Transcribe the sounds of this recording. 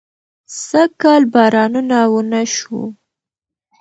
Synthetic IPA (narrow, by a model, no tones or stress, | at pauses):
səkɑlbɑɾɑnunawənaʃṵ